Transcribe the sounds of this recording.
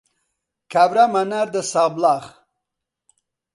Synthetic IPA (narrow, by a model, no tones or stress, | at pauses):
kʰabɾamanaɾd̪əsɑblɑːχ